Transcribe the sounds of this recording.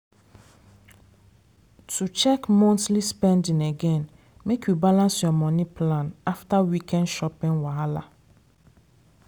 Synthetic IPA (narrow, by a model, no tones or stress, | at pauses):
tʰut͡ʃɛkmɔ̃ntlispɛ̃ndĩŋeɡɛ̃n | mekʰjubalãnsjɔmɔ̃nipʰlãnaftawikʰɛ̃nʃɔpĩnwaala